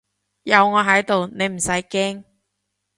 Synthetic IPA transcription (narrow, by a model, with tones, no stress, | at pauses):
jɐ˨˧wŋɔː˨˧ɦɐ˨˥jt̪o˨wne˨˧jm̩˨˩sɐ˨˥jkɛː˥ŋ